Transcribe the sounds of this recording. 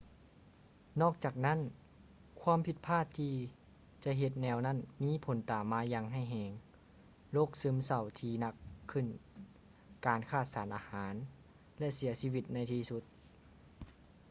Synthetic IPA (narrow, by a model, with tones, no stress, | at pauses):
nɔː˥˩k̚t͡ɕaː˨˩k̚na˥˨n | kʰwaː˧˥˨mpʰi˧˩t̪̚pʰaː˥˩t̪ʰːiː˧ | t͡ɕa˧ɦe˧t̪̚nɛː˧wna˥˩˨nmiː˧˥˨pʰo˨˦nt̪aː˨˩mːaː˧˥jaː˧ŋɦa˧˥˩jɦɛː˧˩ŋ | loː˥˩˨k̚sɯ˧˨msa˧˩wt̪ʰiː˧na˧kʰːɯ˧˩˨n | kaː˨nkʰaː˧˩t̪̚saː˨˦nʔaː˧haː˩˨˦n | lɛ˧˥ʔsi˨˩˦ɐsiː˧˨ʋi˧t̪̚na˧˩jt̪ʰiː˧su˧˦t̪̚